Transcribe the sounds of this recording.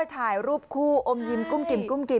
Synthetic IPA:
jt̪ʰaː˨˩˦jɾuː˥˩p̚kʰuː˥˩ʔo˧mji˧mku˥˩mki˨˩m̚˩ku˥˩mki˨˩

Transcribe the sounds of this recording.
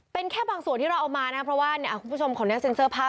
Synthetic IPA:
pe˧nkʰɛː˥˩baː˧ŋsu˨˩ənt̪ʰiː˥ɾa˧wʔaː˨˩maː˧na˦˥kʰa˥pʰɾɔ˦˥waː˥˩ni˥˩ʔa˨˩ku˩˧pʰːu˥˩o˧mkʰɔː˨˩˦nɛː˦˥˩se˧nsɤː˥˩pʰaː˥˩

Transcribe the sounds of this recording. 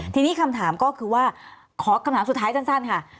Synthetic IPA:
t̪ʰiː˧niː˦˥˩kʰa˧mt̪ʰaː˩˦mkɔː˥˩kʰɯː˧waː˥˩ | kʰɔː˩˦kʰa˧mt̪aː˩˦˥su˨˩t̪ʰːaː˦˥t͡ɕa˥˩nsa˥˩nkʰa˥˩

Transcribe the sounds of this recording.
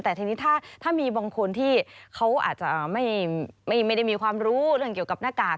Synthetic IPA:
t̪ɛː˨˩t̪ʰi˧ni˦˥t̪ʰaː˥˩t̪ʰaː˥˩miː˧bɔː˧ŋkʰo˧nt̪ʰiː˥˩kʰa˦˥wʔa̰ː˨˩t̪̚t͡ɕa˨˩ʔːma˥˩jma˥˩jma˥˩da˥˩jmiː˧kʰwaː˧mɾuː˦˥ɾɯ˥˩əŋki˨˩əwka˨˩p̚naː˥˩kaː˨˩

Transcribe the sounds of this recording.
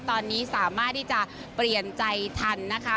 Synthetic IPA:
t̪ɔː˧nːiː˦˥saː˩˦maː˥˩t̪ʰːiː˥˩t͡ɕa˨˩ | pli˨˩ənt͡ɕa˧jt̪ʰa˧nːa˦˥kʰa˦˥

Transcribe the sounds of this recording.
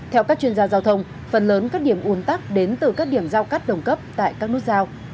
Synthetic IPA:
t̪ʰɛ˧wkaː˦˥k̚t͡ɕwi˧ənzaː˧zaː˧wt̪ʰə˧wŋ͡m | fə˨˩nləː˨˦nkaː˦˥k̚ɗi˧˩əmʔu˨˦ənt̪aː˦˥k̚ɗe˨˦nt̪ɨ˨˩kaː˦˥k̚ɗi˧˩əmzaː˧wkaː˦˥t̚ɗə˨˩wŋ͡mkə˦˥p̚t̪a̰ː˧˨jkaː˦˥k̚ɨ˦˥ək̚zaː˧w

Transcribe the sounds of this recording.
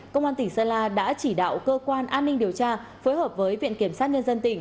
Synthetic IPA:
kə˧wŋ͡mʔaː˧nt̪ï˧˩ŋsəː˧laː˧ɗa̰ː˧˥t͡ɕi˧˩ɗa̰ː˧˨wkəː˧kwaː˧nʔaː˧nːï˧ŋ̟ɗi˨˩əwt͡ɕaː˧ | foː˨˦jɦhəː˨˩p̚vəː˨˦jvḭ˧˨ənki˧˩əmsaː˦˥t̚ɲə˧nzə˧nt̪ï˧˩ŋ̟

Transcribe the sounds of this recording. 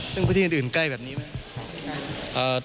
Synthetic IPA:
sɯ˥˩ŋpʰuː˧˩t̪ʰiː˥˧˨ʔɯː˨˩nkla˥˩jbɛː˨˩p̚niː˦˥ma˦˥kʰʔəː˧˩

